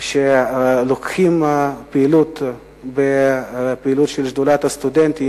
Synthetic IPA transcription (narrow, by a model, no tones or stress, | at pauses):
ʃelokχimpeːlut̪ | bepiilut̪ʃelʃd̪ulat̪ast̪ud̪ent̪i